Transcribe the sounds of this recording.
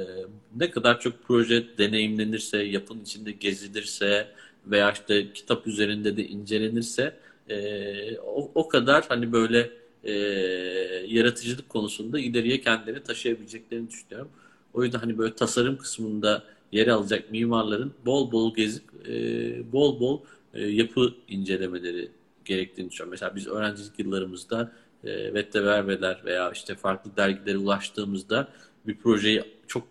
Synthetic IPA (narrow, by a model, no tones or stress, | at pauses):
nɛkʰad̪aɾt͡ʃʰo̞k̚pʰɾo̞ʒɛd̪e̞ne̞jimlʲe̞niɾsɛjapʰɯnit͡ʃʰind̪ɛɟe̞zlʲelʲiɾsɛ | ve̞jaːʃt̪acʰi̥t̪ʰapyze̞ɾind̪ɛd̪ɛʔind͡ʒe̞lʲe̞niɾsɛː | ookʰad̪aɾ̥hanibø̞jlʲɛː | jaɾat̪ʰɯd͡ʒɯlˠɯkʰːo̞nusund̪ailʲe̞ɾijɛcʰɛnd̪ilʲeɾnɛt̪ʰaʃɯjabilʲed͡ʒɛc̚lʲe̞ɾinid̪yʃynyjo̞ɾum | o̞juzd̪anɦanibøjlʲɛt̪ʰasaɾɯmkʰɯ̥smɯnd̪a | je̞ɾɛalˠad͡ʒak̚miːmaɾlˠaɾɯnbo̞lˠbo̞lˠɟe̞zipː | bo̞lˠbo̞lˠ | japʰɯind͡ʒe̞lʲe̞me̞lʲe̞ɾḭ | ɟ̥e̞ɾɛc̚t̪ʰiːnid̪yʃyjɾmeseaːbizø̞ːɾænd͡ʒilʲicjɯlˠːaɾɯmɯzd̪a | ɛ̰vɛt̪ʰːɛvæɾvelʲæɾve̞̰jaːʔiʃt̪ʰɛfaɾklˠɯd̪æɾɟilʲe̞ɾiulˠaʃt̪ʰɯːmɯzd̪a | bipʰɾo̞ʒe̞jit͡ʃʰo̞k̚